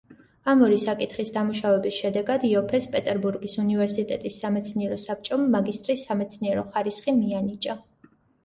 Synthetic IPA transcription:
amɔɾisakʼit̪χisd̪amuʃavɛbisʃɛd̪ɛɡad̪iɔpʰɛspʼɛt̪ʼɛɾbuɾɡisunivɛɾsit̪ʼɛt̪ʼisːamɛt̪sʰniɛɾɔsap̚ʰt͡ʃʼɔmːaɡist̪ʼɾisːamɛt̪sʰniɛɾɔχaɾisχimianit͡ʃʼa

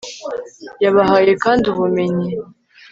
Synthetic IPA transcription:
jaβaɦaːjekaːnduβumeɲe

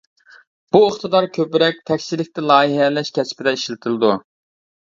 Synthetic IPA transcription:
b̥uoχt̪ɨd̪ɑɾkʲʰøpɾɛk̚ʲt̪ʰɛkʲsɪlɪk̚ʲt̪ɛlˠɑːiɦɛlɛʃkʲʰɛspɪd̪ɛiʃlɪt̪ʰɪlˠɨd̪u

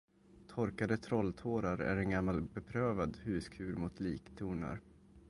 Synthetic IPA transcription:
t̪ʰɔɾkad̪ət̪ʰɾɔlt̪ʰoːɾaɾæ̰ɾɛnɡamːalbɛpʰɾøːvad̪hʉ̟ːskʰʉ̟ːɾmʊt̪ʰliːkt̪ʰuːɳa̰ɾ

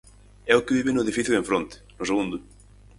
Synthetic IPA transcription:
ɛʊkɪβiβɪnʊeðifiθjuðẽɱfɾõnt̪ɪ̥nʊseɣund̪ʊ

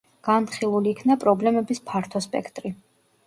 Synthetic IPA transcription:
ɡ̥ant̪χilˠuliːkʰnapʼɾɔblɛmɛbispʰaɾt̪ʰɔspʼɛ̰kʰt̪ʼɾi

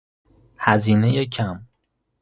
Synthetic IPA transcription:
hæziːnejecʰæm

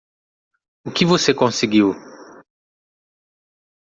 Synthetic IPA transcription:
ʊkɪvosekõsiɡiw

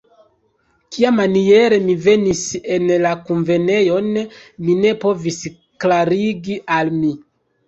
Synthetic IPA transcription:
kiamanie̞ɾe̞mive̞nise̞nlakunve̞ne̞jo̞nmine̞po̞vis | klaɾiɡiʔalmi

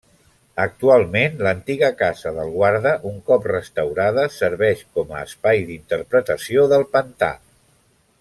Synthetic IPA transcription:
ək̚t̪ualˠmenlənt̪iɣəkazəðəlˠɣwaɾðəʔuŋkɔprəst̪əwɾaðəsəɾβɛʃkɔməːspajðint̪əɾpɾət̪əsioðəlˠpənt̪a̰

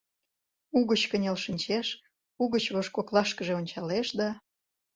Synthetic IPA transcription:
uɣət͡ɕkə̆nʲelʃinʲt͡ɕeʃ | uɣət͡ɕβoʃkoklɑʃkəʒeonʲt͡ɕɑleʃd̪ɑ

